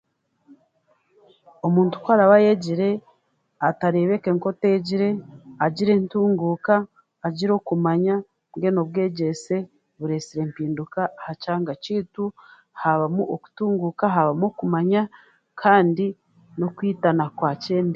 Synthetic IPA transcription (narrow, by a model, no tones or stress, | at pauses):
omuːntu̥kwaɾaβajeɟiɾe̞ | ataɾe̞βe̞keŋko̞teɟiɾe̞aɟiɾe̞ntuːŋɡuːkaː | ɟiɾo̞kumaɲa | ɡe̞no̞βɡe̞ːɟe̞se̞ | βuɾe̞siɾe̞mpiːndukahacaːŋɡaciːtu | haβamuʔoku̥tuːŋɡukaɦaβamokumaɲa | kʰaːndi | no̞kwiːtanakwaːce̞ːndi